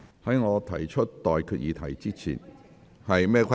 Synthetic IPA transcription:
hɐ˨˥jŋɔː˨˧t̪ʰɐ˨˩jt͡ʃʰɵ˥t̚t̪ɔː˨jkʰyː˧t̚jiː˨˧t̪ʰɐ˨˩jt͡siː˥t͡sʰḭ˨˩n | hɐ˨jmɛː˥kʰʷɐ˥

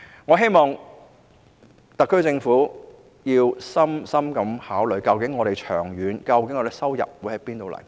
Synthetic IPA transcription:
ŋɔː˨˧ɦe˥jmɔː˨˩ŋ | t̪ɐ˨kːɵ˥t͡sɪ˧ŋfuː˨˥ | jiː˧wsɐ˥msɐ˥mkɐ˨˥mhaː˨˥wlɥkɐ˧wkɪ˨˥ŋːɔː˨˧ɾe˨jt͡ʃʰœ̰ː˨˩ŋjyː˨˧nkɐ˧wk̬ɪ˧˥ŋːɔ˨˧d̪e˨˩sɐ˥wjɐ̰˨p̚wu˨˧˥hɐ˨˧jpiː˥nt̪o˨wlɐ̰˨˩j

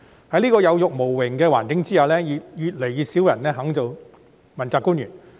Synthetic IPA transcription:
hɐ˨˥jliː˥kɔː˧jɐ˨˧wjʊ˨k̚mo˨˩wːɪ˨˩ŋkɛː˧waː˨˩nkɪ˨˥ŋt͡siː˥haː˨˧wlɛː˥jy˨˧jyː˨t̚le˨˩jyː˨˧siː˨˥wjɐ˨˩nlɛː˥ɦɐ˨˥ŋt͡so˨˧w | mɐ˨˩nt͡saː˧kuː˥njyː˨˩n

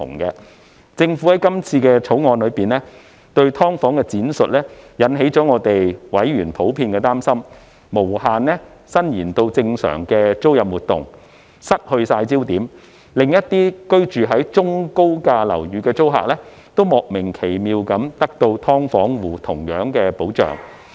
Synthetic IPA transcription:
t̪ʰʊ̰˨˩ŋkɛː˧ | t͡sɪ˧ŋfu˨˥hɐ˨˥jkɐ˥mt͡sʰiː˧kɛː˧t͡sʰo˨˥wŋɔː˨˧nlɵ˨˧ɥpiː˨nlɛ˥ | t̪ɵ˧ɥt̪ʰɔː˥ŋfɔː˨˥ŋkɛː˧t͡siː˨˥nsɵ˨t̚lɛː˥jɐ˨˥nɦe˨˥jt͡sɔː˨˥ŋɔː˨˧t̪e˨jwɐ˨˥jɥyː˨˩npʰo˨˥wpʰiː˧nkɛː˧t̪aː˥msɐ˥mː | o˨˩whaː˨nlɛ˥ | sɐ˥njiː˨˩nt̪o˧wt͡sɪ˧ŋsœ̰ː˨˩ŋkɛː˧t͡so˥wjɐ˨p̚wuː˨˩t̪̚ʊ̰˨ŋ | sɐ˥t̚hɵ˧ɥsaː˧jt͡siː˥wt̪iː˨˥m | lɪ˨ŋjɐ˥t̚t̪iː˥kɵ˥ɥt͡ʃyː˨ɦɐ˨˥jt͡ʃʊ˥ŋko˥wkaː˧lɐ̰˨˩wjyː˨˧kɛː˧t͡so˥wɦa̰ː˨k̚lɛː˥ | t̪o˥wmɔː˨˩k̚mɪ˨˩ŋkʰe˨˩jmiː˨wkɐ˨˥mt̪ɐ˥k̚t̪o˧wt̪ʰɔː˥ŋfɔː˨˥ŋwuː˨˩t̪ʰʊ˨˩ŋjœː˨˥ŋkɛː˧po˨˥wt͡ʃœ̰ː˨˩ŋ

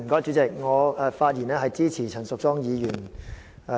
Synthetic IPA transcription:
m̩˨˩kɔː˨˥jt͡ʃyː˨˥t͡sɪ˨k̚ŋɔː˨˧ɛ˧faː˧t̚jiː˨˩nɛː˥ɦɐ˨jt͡siː˥t͡sʰiː˨˩t͡sʰɐ˨˩nsʊ˨k̚t͡sɔː˥ŋjiː˨˧jyː˨˩n˧

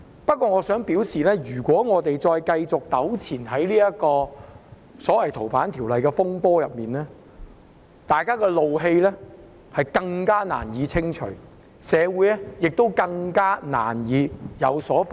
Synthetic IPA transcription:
pɐ˥t̚kʷːɔː˧ŋɔː˨˧sœː˨˥ŋpiː˨˥wsiː˨lɛː˥jyː˨˩kʷwɔː˨˥ŋɔː˨˧t̪e˨jt͡sɔː˧jkɐ˧jt͡sʊ˨k̚t̪ɐ˨˥wt͡sʰiː˨˩nɦɐ˨˥jliː˥jɐ˥kɔː˧ | sɔː˨˥wɐ˨jt̪ʰo˨˩wfaː˨˥nt̪ʰiː˨˩wlɐ˨jkɛː˧fʊ˥ŋpɔː˥jɐ˨p̚miː˨nɛː˥ | t̪aː˨jkaː˥kɛː˧lo˨wɦe˧jlɛː˥ | hɐ˨jkɐ˧ŋkaː˥na̰ː˨˩njiː˨˧t͡sʰɪ˥ŋt͡ʃʰɵ˨˩ɥ | sɛː˨˧wuː˨˥jɛ˥jɪ˨k̚t̪o˥wkɐ˧ŋkaː˥na̰ː˨˩njiː˨˧jɐ˨˧wsɔː˨˥f

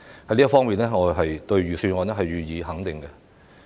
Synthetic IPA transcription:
hɐ˨˦liː˥fɔː˥ŋmiː˨nlɛː˥ŋɔː˨˧ɦɐ˨jt̪ɵ˧ɥɥyː˨˧syː˧nŋɔː˧nɛ˥ɦɐ˨jɥyː˨˧jiː˨˧ɦɐ˨˥ŋt̪ɪ˨˩ŋkɛ˧

